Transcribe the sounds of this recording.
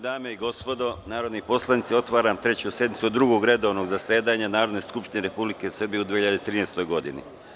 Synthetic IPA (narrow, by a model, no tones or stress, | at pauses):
d̪aːmeiɡo̞spo̞d̪o̞naːɾo̞d̪nipo̞slˠanit̪sio̞t̪ʋaːɾamt̪ɾe̞t͡ɕusje̞d̪nit̪suod̪ɾuɡoɡɾe̞d̪o̞ʋno̞ɡzase̞ːd̪aɲanaːɾo̞d̪ne̞skupʃt̪ineɾe̞publike̞sr̩bijeud̪ʋiehiʎad̪et̪ɾiːneːst̪o̞jɡo̞d̪ḭnḭ